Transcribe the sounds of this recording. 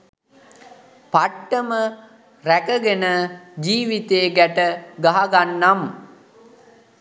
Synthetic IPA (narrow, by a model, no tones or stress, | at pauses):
paʈːəmə | ɾækəɡenəd͡ʒiːʋit̪eːɡæʈəɡaɦaɡanːam